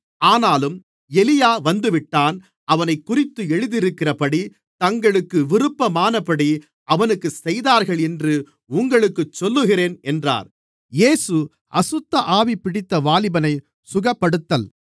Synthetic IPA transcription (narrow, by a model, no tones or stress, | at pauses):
aːnaːlɯm | ɛlɪjaːʋɐnd̪ɯʋɪʈːaːn | ɐʋɐnɐɪkːʊrɪt̪ːɯɛɻɯðɪɾɯkːɪrɐpɐɽi | t̪ɐŋɡɐɭɯkːɯʋɪrɯpːɐmaːnɐpɐɽi | ʔɐʋɐnɯkːɯsɛjðaːɾɣɐɭɛndrɯ | ʊŋɡɐɭɯkːɯt͡ʃːɔlːɯɣɪreːnɛndra̰ːɾ | jeːsɯ | ʔɐsʊt̪ːɐʔaːʋipːɪɽɪt̪ːɐʋaːlɪbɐnɐɪ | sʊɣɐpːɐɽɯt̪ːɐl